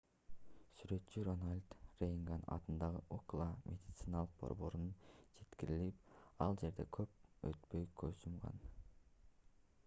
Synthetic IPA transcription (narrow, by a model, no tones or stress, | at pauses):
syɾø̞t̪t͡ʃyɾonalʲd̪rejʲŋɡanɑ̰t̪ɯnd̪ɑʁɯʔoklˠamʲʔed̪ʲit̪sɨnɑlˠɯq̚bo̞̰ɾbo̞ɾnund͡ʒe̞t̪kiɾilip̚ɑlˠd͡ʒe̞ɾd̪e̞kʰøp̚øt̪pø̞jkʰøjsumʁɑ̰n